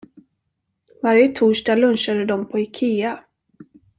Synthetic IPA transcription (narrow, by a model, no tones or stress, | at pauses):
vaɾjət̪ʰuːʂʈaːɡlɵnɕad̪əd̪ɔmpʰɔɛkʰeːa